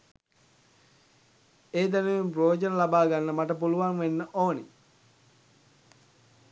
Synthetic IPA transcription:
eːd̪æneʋemprojod͡ʒənəlabaːɡanːəmaʈəp̬uluʋaŋʋenːəʔoːnḛ

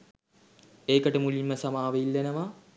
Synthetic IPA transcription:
eːkəʈəmulimːəsɐmaːʋeilːenɐʋa

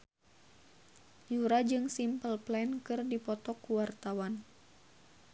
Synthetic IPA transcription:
juɾad͡ʒɨŋsimpəlplɛnkɨrdipɔt̪ɔkuwart̪awan

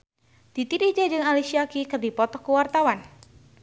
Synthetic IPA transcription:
d̪̥it̪idid͡ʒad͡ʒɨŋalisiakikɨrdipɔt̪ɔkəwart̪awan

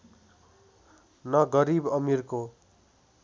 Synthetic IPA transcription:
nʌɡʌɾibʌmirko

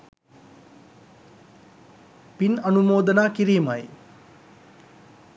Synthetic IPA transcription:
pinʌnumoːd̪ʌnakiɾimʌj

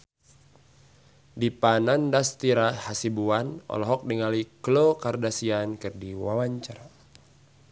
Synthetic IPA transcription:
dipanandast̪iɾahasibuanɔ̰lɔɦɔk̚diŋaliklokardasiankɨrdiwawaɲt͡ʃar

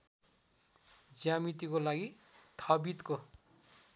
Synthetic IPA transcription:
d͡zjamit̪ikolaɡit̪ʰʌbit̪ko

